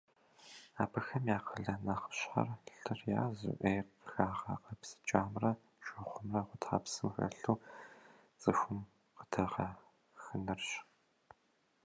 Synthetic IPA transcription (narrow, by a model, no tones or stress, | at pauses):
aːpʰɐxɐmjaːqʰəɮɐnɐχə̥ɕħa̰rɬɨrja̰ːzṵʔejqxaːʁɐ̰qɐpsɨ̥t͡ʃʼaːmrɐ | ʃɐχʷʊmrɐχʷʊtʰa̰ːpsɨmxɐ̰ɬuː | t͡sʼɨxʷʊm | qə̥tʰɐʁɐ | xɨnɨrɕ